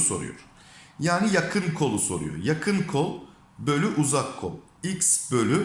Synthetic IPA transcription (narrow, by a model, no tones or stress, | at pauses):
so̞̰ɾṵjo̰ɾ̥ | jaːnijakʰɯnkʰo̞lˠuso̞ɾṵjo̰jakʰɯnkʰolˠ | bø̞lʲyʔuzakʰːo̞̰lˠ | icsbø̞lʲy